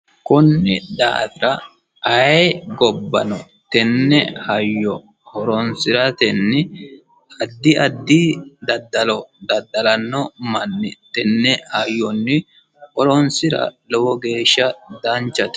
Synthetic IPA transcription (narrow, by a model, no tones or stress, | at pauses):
kʊnːɪd̪a̰ːfɪɾɐ | ʔɐɡɔbːɐ̰nɔ | t̪ɛnːɛhɐjːɔ | hɔɾɔnsɪɾɐt̪ɛnːɪ | ɐd̪ːɪɐd̪ːɪd̪ɐd̪ːɐlɔd̪ɐd̪ːɐlɐnːɔmɐnːɪt̪ɛnːɛhɐjːɔnːɪ | hɔɾɔnsɪɾɐ̰lɔwɔɡe̞ːʃːɐd̪ɐnt͡ʃːɐt̪